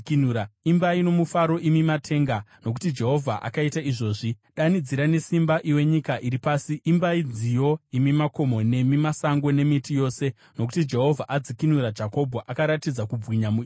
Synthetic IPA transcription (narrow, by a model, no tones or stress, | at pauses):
knuɾaimbaino̞mufaɾo̞ʔimimatʰe̞ːŋɡano̞k̬u̥tid͡ʒe̞ɦo̞vʱaʔa̰kaitaiʐo̞ːʐiɗanid͡ziɾane̞simbaʔiwe̞ɲikaʔiɾipaːsiːmbaid͡zijo̞imimako̞mo̞ne̞mimasaŋɡo̞ne̞mitijo̞ːse̞ | no̞k̬u̥tid͡ʒe̞ɦo̞vʱaʔad͡zikinuɾad͡ʒako̞bʱoʔakaɾatid͡zakub͡vwiɲamu